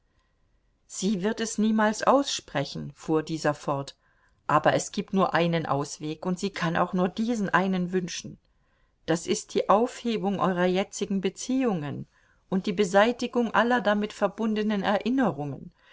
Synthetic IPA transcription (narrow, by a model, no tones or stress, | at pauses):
z̥iːvɪɐtɛsniːmaːlsʔaʊsʃpʁ̥ɛçn̩fuːɐdiːzɐfɔɐt | ʔaːbɐʔɛsɡ̥iːp̚tnuːɐʔaɪnənʔa̰ʊsv̥eːkʊntz̥iːkʰana̰ʊxnuːɐdiːzn̩ʔaɪnənvʏnʃn̩ | d̥asɪst̚d̥iːʔaʊfheːbʊŋʔɔ̰ʏʁɐjɛt͡sɪɡŋ̩bət͡siːʊŋən | ʔʊnt̚d̥iːbəzaɪtɪɡʊŋʔalɐdamɪtfɛɐbʊndənənɛɐʔɪnəʁʊŋən